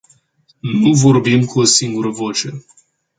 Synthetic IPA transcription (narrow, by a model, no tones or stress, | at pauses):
nuvo̞rbimkʰuosiŋɡuɾəvo̞t͡ʃe̞